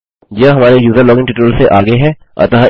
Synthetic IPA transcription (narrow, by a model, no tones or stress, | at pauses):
jɐɦɐmaːɾejuːzəɾlɔːɡɪ̃ŋʈiːʈəlseʔaːɡeɦɛ̃ː | ɐ̰t̪əɦa